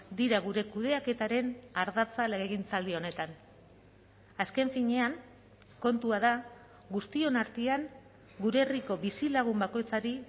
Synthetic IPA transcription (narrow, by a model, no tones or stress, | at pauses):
d̪iɾaɣ̞uɾe̞kuðe̞ake̞t̪aɾe̞naɾðat͡saleɣeɣ̞int͡sald̪io̞ne̞t̪an | aske̞ɱfiɲe̞aŋ | ko̞nt̪uað̞a | ɡust̪io̞naɾt̪iaŋ | ɡuɾeːriko̞βisilaɣ̞umbako̞jt͡saɾi